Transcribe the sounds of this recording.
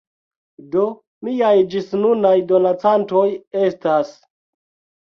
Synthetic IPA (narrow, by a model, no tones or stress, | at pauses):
do̞ | miajd͡ʒisnunajdo̞nat͡santo̞je̞stas